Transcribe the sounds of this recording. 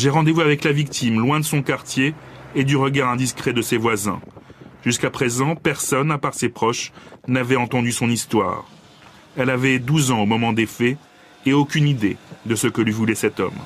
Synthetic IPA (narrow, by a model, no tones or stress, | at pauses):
ʒeʁɑ̃d̪evuavɛklavikt̪imlwɛ̃d̪əsɔ̃kaʁt̪jeːd̪yʁəɡaʁɛ̃d̪iskχɛd̪əsevwazɛ̰̃ʒyskapχezɑ̃pɛʁsɔnapaʁsepχɔʃnavɛɑ̃t̪ɑ̃d̪ysɔ̃nist̪wa̰ʁ | ɛlavɛd̪uzɑ̃omɔmɑ̃d̪efɛ | eokʲynid̪ed̪əsəkəlɥivulɛsɛt̪ɔ̰m